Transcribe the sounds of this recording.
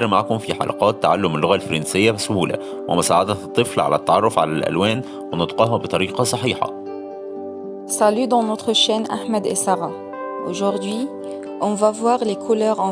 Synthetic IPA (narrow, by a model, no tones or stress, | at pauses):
ɾma̰ʕkʊmfiħɑ̰lʔɑ̰qɑːt̪ːaʕalːʊmːɪlːʊɣælfɾɑnsɪjːæsʊhuːlæ̰ | wʔɪ̰mʊsaːʕad̪æt̪ˤːɨflʕa̰læt̪ːɑʕɑrˤːofʕa̰lælʔæ̰lwæːn | wɪnɑd̪qɑːɦɑbet̪ˤɑɾiːqɑsˤɑħiːħɑ̰ | salyd̪ɑ̃nɔt̪χəʃɛnʔa̰ħmæd̪ḛsaʁɑ | oʒuʁd̪ɥi | ʔɔ̃vavwaːʁlekʰulœːʁɑ̃